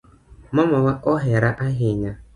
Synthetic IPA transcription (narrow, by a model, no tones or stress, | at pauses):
mɔmawaɔɦeɾaʔaɦɪɲa